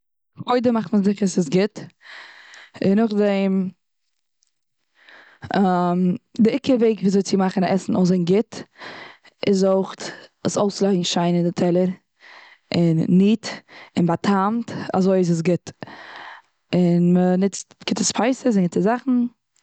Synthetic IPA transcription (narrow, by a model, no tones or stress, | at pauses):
χoɪdəmaχtməsdɪχasɪsɡɪt | ɪnʊχdɛɪm | mdɪɪkəveɪkvizoɪt͡sɪmaχn̩aʔɛsn̩ozɪnɡɪt | ɪzoɪχtəsoʊslˠaɪŋ̩ʃaɪnɪndɪtʰɛlˠəɾ | ɪnːiːtɪnbatʰamta̰zoɪɪs̬ɪs̬ɡɪt | ɪnmənɪt͡stɡ̥ɪtəspʰaɪsəs̬ɪnɡɪtəzaχn̩